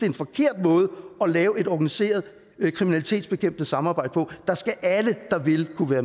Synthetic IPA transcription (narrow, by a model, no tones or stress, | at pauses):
eenfɒ̽kʰe̝ɐ̰d̥̚mɔ̽ːð̞ˠəɒ̽lɛːʊe̝dɒɡ̥ænise̝̰ːɐð̞ˠ | kʰʁiminæli̥t͡sʰe̝̰ːdsb̥e̝kʰem̰b̥̚d̥əsɑ̈mɑ̈ːbɑ̈ɪ̰d̥əpʰɒ̽d̥ɑ̈sɡ̥æʔæləd̥ɑ̈ʋe̝lkʰuʋæːɐ